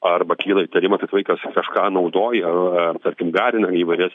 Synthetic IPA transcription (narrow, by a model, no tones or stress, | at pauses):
ɐrbɐkʲiːlˠɐit̪ɐɾʲɪmɐt̪ɐɪt̪ʋɐɪkɐskɐʃkɑːnɐʊd̪oːjɛɐt̪ɐɾʲkʲɪmɡɑːɾʲɪnɐiːʋɐɪɾʲɛs